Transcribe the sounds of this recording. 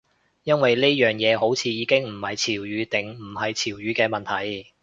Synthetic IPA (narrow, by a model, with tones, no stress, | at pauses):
jɐ˥nwɐ˨jle˥jœː˨ŋjɛː˨˧ɦo˨˥wt͡sʰiː˨˧jiː˨˧˥kɪ˥ŋm̩˨˩hɐ˨jt͡sʰiː˨˩wjyː˨˧t̪ɪ˨˩ŋm̩˨˩ɦɐ˨jt͡sʰiː˨˩wjyː˨˧kɛː˧mɐ˨nt̪ʰɐ˨˩j